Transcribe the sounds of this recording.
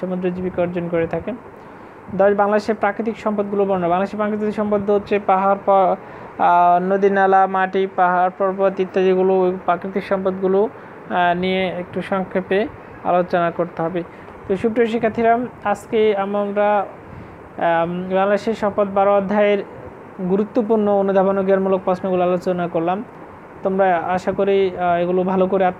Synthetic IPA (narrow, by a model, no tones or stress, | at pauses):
ʃomod̪ɾod͡ʑibikɔɾd͡ʑonkoɾet̪ʰake | d̪ɔʃbaŋlad̪eʃeɾpɾakɾit̪̬ikʃɔmpod̪̚ɡulobɔɾnabaŋlad̪eʃeɾpɾakɾit̪it̪iʃɔmpod̪ʱːoɦot̪ːɕʰepaɦaɾpɔ | nod̪inːalamaʈipaɦaɾpɔɾpɔt̪it̪ːad͡ʑiɡuloopɾakɾit̪ikʃɔmpod̪ɡulo | nijeek̚ʈuʃɔŋkʰːeɾpe | a̰lot͡ɕonakoɾt̪eɦɔbe | t̪oʃup̚ʈoʃikʰːat̪ʰiɾamaskeamamɾa | baŋd̪eʃeʃɔpot̪̚baɾobad̪ʱːaeɾ | ɡuɾut̪ːopuɾnoonud̪ʱabonoɡiaɾmulok̚pɾɔsʰnoɡuloalot͡ɕonakoɾlam | t̪omɾaaʃakoɾieɡulobʱalokoɾeat̪